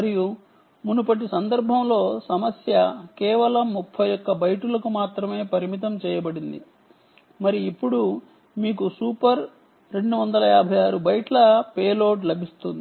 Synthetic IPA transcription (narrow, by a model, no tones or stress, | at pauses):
mɐɾiju | munupɐʈ̬isɐnd̪ɐɾbʱɐmlo̞ːsɐmɐsjɐkɛːʋɐlɐmːupʰːɐjjɔkːɐbɐjʈulɐkumaːt̪ɾɐme̞ːpɐɾimit̪̬ɐmt͡ʃɛːjɐbɐɽind̪ḭ | mɐɾiːpːuɽu | miːk̬usuːpɐɾ | ɾe̞ɳɖuʋɐnd̪ɐlɐjaːbʱɐjaːɾubɐjʈlɐpeːloːʈ̬lɐbʱist̪und̪i